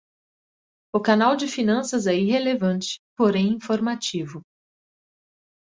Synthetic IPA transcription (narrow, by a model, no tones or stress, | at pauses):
ʊkanawd͡ʒɪfinɐ̃sɐzɛiɦelevɐ̃nt͡ʃɪ̥poɾẽj̃ĩfoɾmat͡ʃivʊ